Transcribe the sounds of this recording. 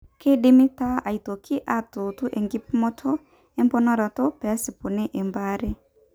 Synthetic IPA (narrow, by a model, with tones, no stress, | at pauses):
ke˦dɪ˦mɪ˦ta˦a˨i˨to˨kʰɪ˦ʔa˦to˨tu˦ʔe˨ŋɡɪ˦p̚mɔ˦tʰɔ˦ | ɛ˦mbɔ˦nɔ˦ɾa˨tɔ˦pɛ˨˦sɪ˨po˨ne˦ʔe˨mba˦ɾɛ˦